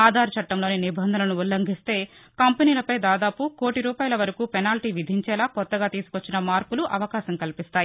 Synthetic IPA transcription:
aːd̪ʱaːɾɐt͡ʃɐʈːɐmlo̞ːninibʱɐnd̪ʱɐnɐnuulːɐŋɡʱist̪e̞ː | kɐmpɐniːlɐpɐjd̪aːd̪aːpukoːʈiɾuːpaːjɐlɐʋɐɾɐkuːpɛnaːlʈiːʋid̪ʱiɲt͡ʃɛːlaːkɔt̪ːɐɡaːt̪iːsukʋot͡ʃːinɐmaːɾkuluʔɐʋɐkaːʃɐmkɐlipist̪aːji

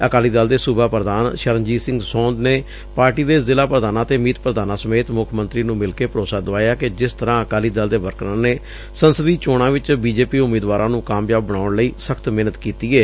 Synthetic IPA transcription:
əkaːliːd̪əld̪eːsʊbaːpɾəd̪aːnʃəɾənd͡ʒiːsɪ̃ŋɡsɔ̃ːnd̪neː | paːɾʈiːd̪eːzɪlaːpɾəd̪aːnãːt̪eːmiːt̪̚pəɾəd̪aːnãːsəmeːt̪mʊkʰmənt̪ɾiːnũːmɪlkeːpəɾoːsaːd̪oaːjaːked͡ʒɪst̪əɾãːəkaːliːd̪əld̪eːʋəɾkɾãːneː | sənsəd̪iːt͡ʃoːɽ̃ãːʋɪt͡ʃbiːd͡ʒeːpiːʊmeːd̪ʋaːɾʔãːnũːkaːmjaːbːəɽ̃aːʊɳləiːsəkʰt̪mɪnət̪kiːt̪iːɛː

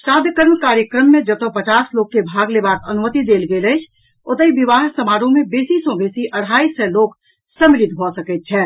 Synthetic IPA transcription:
saːd̪ʱjəkəɾmkaːɾjəkɾəmːẽd͡ʒɐt̪opɐt͡ʃaːsloːɡ̚kebʱaːɡlebaːk̪ɐnʊmət̪id̪eːlɡelət͡ʃʰ | ʊt̪əibɪʋaːɦsɐmaːɾõmẽbeːsisɔbeːsiʔɐɽ̤aːisɛloːk | sə̃mɾɪd̪ʱɦosəket̪̚t͡ʃʰɛː

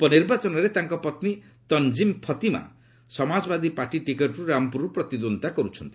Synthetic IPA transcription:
pɔniɾbat͡ʃɔnɔɾet̪aŋkɔpɔt̪ni | t̪ɔnd͡ʒimpʰɔt̪ima̰ | sɔmad͡ʒɔbad̪ipaʈiʈikeʈɾuɾampuɾupɾɔt̪id̪ont̪akɔɾut͡ʃʰɔnt̪i̥

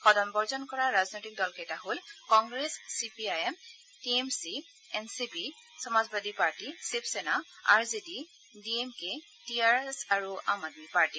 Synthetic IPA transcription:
xɔdɔnbɔɹzɔnkɔɹaɹaznojtik̚dɔlketaɦolkɔŋɡɹesːipiajɛm | tiemsi | ɛnsipi | sɔmazbadʱipaɹtisipʰsɛnaa̰ɹzidi | diɛmke | tiaɹɛsaɹuʔamad̚mipaɹti

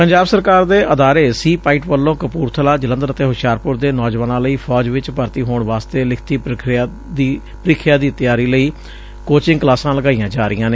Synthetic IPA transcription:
pəɲd͡ʒaːbsəɾkaːɾd̪eːʔəd̪aːɾeːsiːpaːɪʈʋəlːõːkəpuːɾt̪ʰəlaːd͡ʒələ̃nd̪əɾət̪eːɦʊʃjaːɾpʊɾd̪eːnɔːd͡ʒʋaːnãːləiːpʰɔːd͡ʒʋɪt͡ʃpəɾt̪iːɦoːɳʋaːst̪eːlɪkʰt̪iː | i | pəɾiːkʰɪjaːd̪iːt̪jaːɾiːləiː | koːt͡ʃɪ̃ŋɡklaːsãːləɡaːijãːd͡ʒaːɾɪjãːneː

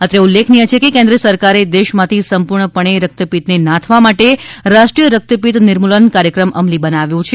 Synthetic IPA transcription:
ət̪eulːekʰnijət͡ʃʰekekẽnd̪ɾəsəɾkaɾed̪eʃmãt̪ʰisəmpuɾɳəpəɳ̃eɾək̚t̪əpit̪nenãt̪ʰʋamaʈeɾaʃʈɾijəɾək̚t̪əpit̪nɪɾmulənkaɾjəkɾəmʔəmlibənaʋjũt͡ʃʰe

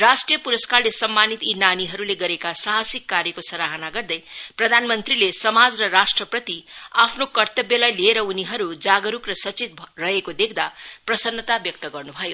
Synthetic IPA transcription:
rasʈrijʌpuɾʌskarlesʌmːanit̪inaniɦʌɾuleɡʌɾekasaɦasikːaɾjʌkosʌɾaɦʌnaɡʌrd̪ʌjprʌd̪ʱanmʌnt̪rilesʌmad͡zrʌrasʈrʌprʌt̪iapʰnokʌrt̪ʌbjʌlajlieɾʌuniɦʌɾud͡zaɡʌɾukrʌsʌt͡sit̪̚bʱrʌɦekod̪ekʰd̪aprʌsʌnːʌt̪abjʌk̚t̪ʌɡʌrnubʱʌjo

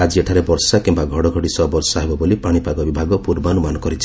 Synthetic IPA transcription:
ad͡ʒieʈʰaɾebɔɾsakimbaɡʱɔɽɔɡʱɔɽisɔbɔɾsɔaɦebɔbolipaɽ̃ipaɡɔbibʱaɡɔpuɾbanumanɔkɔɾit͡ʃʰi

